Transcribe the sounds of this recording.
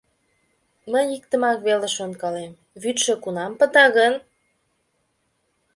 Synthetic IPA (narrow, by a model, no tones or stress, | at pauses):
məjik̚t̪ə̆mɑkβeleʃonkɑlem | βyt̪ʃĕkunɑmpə̆t̪ɑɣən